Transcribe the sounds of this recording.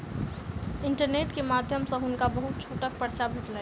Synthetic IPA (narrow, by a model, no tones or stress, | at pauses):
ɪɳʈəɾneːʈkemaːd̪ʱjəmsə̃ɦʊnkabəɦut̪̚t͡ʃʰoːʈək̚pəɾt͡ʃabʱeʈla